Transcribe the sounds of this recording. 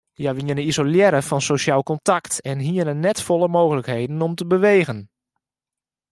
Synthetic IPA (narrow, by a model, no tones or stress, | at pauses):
jaʋiənəizoljɛɾəfɔnsoʃjaːlˠkɔntaktɛnɦiənənːɛtfɔlˠəmoːɣələkhejdn̩ɔmtəbəʋeːɣən